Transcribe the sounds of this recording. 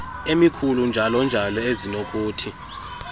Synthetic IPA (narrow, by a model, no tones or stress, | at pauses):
emikʰulund͡ʒʱalɔnd͡ʒʱalɔezinok̬ʼuːtʰi